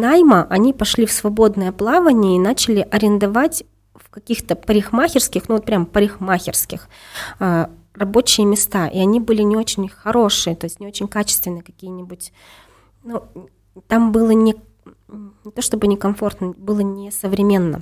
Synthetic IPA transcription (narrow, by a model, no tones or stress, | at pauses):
najməʔɐnʲipɐʂlʲifsvɐbo̞d̪nəjəplˠavənʲɪjəinat͡ɕɪlʲɪʔɐɾʲɪnd̪ɐvatʲ | fkɐkʲixt̪əpəɾʲɪxmaxʲɪrskʲɪxnuvot̪̚pɾʲampəɾʲɪxmaxʲɪrskʲɪx | ə | rɐbo̞t͡ɕɪjəmʲɪst̪aʔiɐnʲibɨlʲɪnʲɪo̞t͡ɕɪnʲxɐɾo̞ʂɨjət̪o̞ɪsʲtʲnʲɪot͡ɕɪnʲkat͡ɕɪst̪vʲɪnːɨjkɐkʲijənʲɪbʊtʲ | nu | t̪ambɨlˠənʲɪ | nʲɪt̪o̞ʂt̪o̞bɨnʲɪkɐmfo̞rt̪nəbɨlˠənʲɪsəvɾʲɪmʲe̞nːə̰